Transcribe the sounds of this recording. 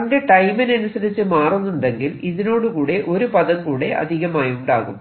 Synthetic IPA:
ɐnde̞ʈɐjminɐnusɐɾit͡ɕːɨmaːrunːuɳɖeŋɡiliðino̞ːɽukuːɽe̞ʔo̞ɾupɐðɐmkuːɽe̞ʔɐ̰d̪ʱiɣɐmaːjuɳɖaːɣṵm

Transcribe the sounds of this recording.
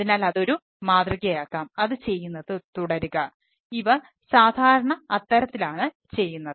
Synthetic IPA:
ðinaːlɐðo̞ɾu | maːd̪riɣɐjaːkːaːmɐðɨt͡ɕe̞jːunːɐðɨt̪uɽɐɾuɣɐ | iʋɐ | saːd̪ʱaːɾɐɳɐɐt̪ːɐɾɐt̪ːilaːɳɨ | t͡ɕe̞jːunːɐðɨ

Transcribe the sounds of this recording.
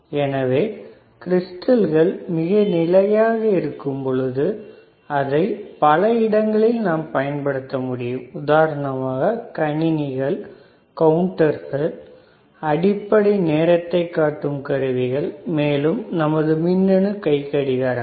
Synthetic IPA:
ɛnɐʋeː | kɪɾɪsʈɐlɣɐɭmɪɣɐnɪlɐjaːɣɐɪɾɯkːɯmpɔɭɯðɯ | ɐðɐɪpɐlɐɪɽɐŋɡɐɭɪlnaːmpɐjɐnpɐɽɯt̪ːɐmʊɽɪjɯmʊðaːɾɐɳɐmaːɣɐkɐɳɪnɪɣɐɭ | kɐwɳʈɐɾɣɐɭ | ɐɽɪpːɐɽineːɾɐt̪ːɐɪkːaːʈːɯmkɐɾɯʋɪɣɐɭmeːlɯmnɐmɐðɯmɪnːɐɳɯkɐɪkːɐɽɪðaːɾ

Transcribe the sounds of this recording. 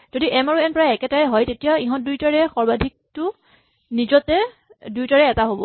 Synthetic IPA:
z̥odiʔɛmaɹuɛnpɔɹaɛkɛtaɹɛɦɔjtetijaiɦɔ̃ndujtaɹɛxɔɹbadʱik̚tʊ | nizɔtɛ | dujtaɹɛɛtaɦobɔ̰

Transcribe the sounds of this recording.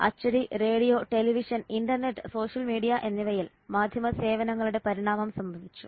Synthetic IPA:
ɐ̰t͡ɕːɐɽire̞ːɽijo̞ːʈe̞liʋiʂɐninɖɐrne̞ʈːɨ̥so̞ːʂjɐlmiːɽijɐʔe̞nːiʋɐjil | maːd̪ʱjɐmɐse̞ːʋɐnɐŋːɐɭuɽe̞pɐɾiɳaːmɐmsɐmbʱɐʋit͡ɕːṵ

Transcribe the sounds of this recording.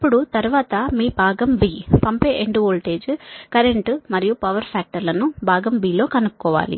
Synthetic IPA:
ɐpːuɽut̪ɐɾuʋaːt̪ɐmiːbʱaːɡɐmbiːpɐmpeːʔeɳɖuoːlʈe̞ːd͡ʒkɐɾe̞ɳʈmɐɾijupɐʋɐɾpʰaːk̚ʈɐɾlɐnubʱaːɡɐmbiːlo̞ːkɐnukkːɔːʋa̰ːlḭ

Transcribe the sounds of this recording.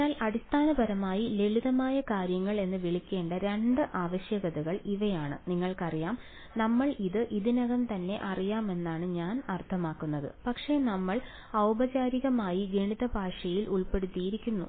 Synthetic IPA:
aːlɐɽist̪ʰaːnɐbɐɾɐmaːjileɭiðɐmaːjɐkaːɾjɐŋːɐɭe̞nːɨʋiɭikʲːe̞ːɳɖɨɾeɳɖɨʔaːʋɐɕjɐɣɐðuɣɐɭiʋɐjaːɳɨniŋːɐɭkɐrijaːm | nɐmːɐɭiðɨʔiðinɐɣɐnt̪ɐnːe̞̰ʔɐrijaːme̞nːaːɳɨɲaːnɐrt̪ʰɐmaːkːunːɐðɨ̰pɐkʂe̞nɐmːɐɭ | ɐwbɐt͡ɕaːɾiɣɐmaːjiɡeɳiðɐbʱaːʂɐjilʔuɭpe̞ɽut̪ːijiɾikʲːunːṵ

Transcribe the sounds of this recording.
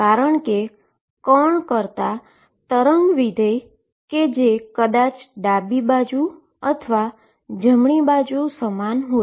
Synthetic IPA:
kaɾəɳke | kɔɳkəɾt̪a | t̪əɾəŋɡʋid̪ʱej | ked͡ʒekəd̪at͡ʃɖabibad͡ʒu | ət̪ʰʋa | d͡ʒəmɳibad͡ʒusəmanɦo

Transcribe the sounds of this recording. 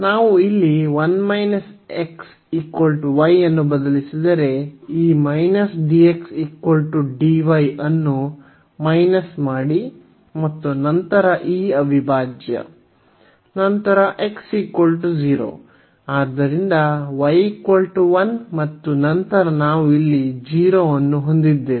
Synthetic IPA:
naːʋuilːiʋɐnmɐjnɐseks | ikʋɐlʈuʋɐjɐnːubɐd̪ɐlisid̪ɐɾe̞iːmɐjnɐsɖieksikwɐlʈuɖiʋɐjɐnːu | mɐjnɐsmaːɽi | mɐt̪ːunɐnt̪ɐɾɐʔiːɐbʱibʱaːd͡ʒjɐ̰ | nɐnt̪ɐɾɐʔe̞ksikʋɐlʈud͡ʒiːɾo̰ː | aːd̪ɐɾind̪ɐʋɐjikwɐlʈuʋɐnmɐt̪ːunɐnt̪ɐɾɐnaːʋuilːid͡ʒiːɾoːɐnːuɦond̪id̪ːeːi

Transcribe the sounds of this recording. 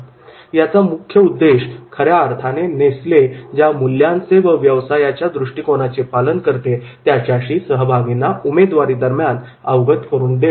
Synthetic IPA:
jat͡samukʰjəud̪ːeɕkʰəɾjaːɾt̪ʰanenesled͡ʑjamulːjãnt͡seʋəʋjəʋsajat͡ɕjad̪ɾuʂʈikonat͡sepalənkəɾt̪et̪jaɕjaɕiːsəɦbʱaɡinaumed̪ʋaɾiːd̪əɾmjan | əʋɡət̪kəɾuːnd̪el

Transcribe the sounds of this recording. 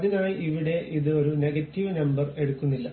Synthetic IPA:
ðinaːjiʔiʋiɽe̞ʔiðɨo̞ɾuneɡɐtːiʋɨnɐmbɐre̞ɽukːunːilːɐ

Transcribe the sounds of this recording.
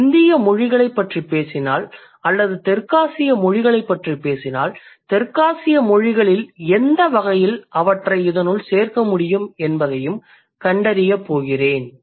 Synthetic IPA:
ɪnd̪ɪjɐmɔɻɪɣɐɭɐɪpːɐʈripeːsɪnaːl | ɐlːɐðɯt̪ɛɾkaːsɪjɐmɔɻɪɣɐɭɐɪpːɐʈripeːsɪna̰ːlt̪ɛɾkaːsɪjɐmɔɻɪɣɐɭɪlɛnd̪ɐʋɐɣɐjɪlʔɐʋɐʈrɐɪɪðɐnɯɭseːrkɐmʊɽɪjɯmɛnbɐðɐjɯm | kɐɳɖɐɾɪjɐpːoːɣɪreːn

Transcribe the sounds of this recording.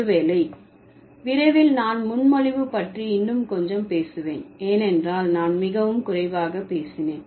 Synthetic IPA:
ʋeːlɐɪ | ʋɪɾɐɪʋɪlnaːnmʊnmɔɻɪʋɯpɐʈriɪnːɯmkɔɲd͡ʒɐmpeːsɯʋḛːneːnɛndraːlnaːnmɪɣɐʋɯmkʊrɐɪʋaːɣɐpːeːsɪneːn

